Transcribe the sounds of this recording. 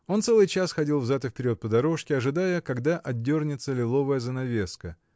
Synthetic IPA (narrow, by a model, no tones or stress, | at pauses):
o̞nt̪sɛlˠɨjt͡ɕasxɐdʲilˠvzat̪ɨfʲpʲɪɾʲo̞t̪̚pəd̪ɐɾo̞ʂkʲɪɐʐɨd̪ajəkɐɡd̪aʔɐd̪ʲːo̞rnʲɪt̪səlʲɪlˠo̞vəjəzənɐvʲe̞skə